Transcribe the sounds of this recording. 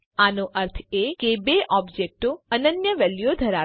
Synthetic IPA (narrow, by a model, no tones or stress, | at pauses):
anoʔəɾt̪ʰekebeʔɔbd͡ʒek̚ʈoənənjəʋɛljod̪ʱəɾa